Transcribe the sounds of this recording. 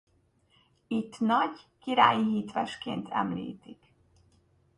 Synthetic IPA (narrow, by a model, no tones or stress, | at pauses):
it̪ːnɒɟkiɾaːjiɦiːt̪ʋɛʃkeːnt̪ʰɛ̰mlḭːt̪ik